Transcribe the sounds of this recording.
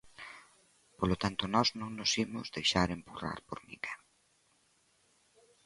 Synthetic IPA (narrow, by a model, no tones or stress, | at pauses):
polot̪ant̪onɔznõŋnʊsimʊzðejʃaɾempura̰ɾpoɾmḭka